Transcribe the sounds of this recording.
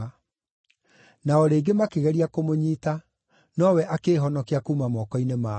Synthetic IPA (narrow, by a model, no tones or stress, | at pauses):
naɔɾeːɡemakeɣɛɾiakomoɲiːta | nɔwɛʔakeːɦɔnɔkeakuːmamɔkɔinema